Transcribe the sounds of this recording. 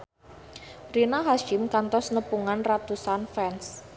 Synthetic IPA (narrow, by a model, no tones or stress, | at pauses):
rinaɦaʃɪmkant̪ɔsnəpuŋanrat̪usanfɛns